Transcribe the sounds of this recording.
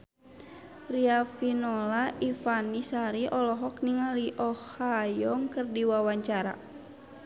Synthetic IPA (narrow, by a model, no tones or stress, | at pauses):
riafinɔlaʔifanisaɾiʔɔlɔɦɔkniŋaliʔɔhajɔŋkərdiwawaɲt͡ʃaɾa̰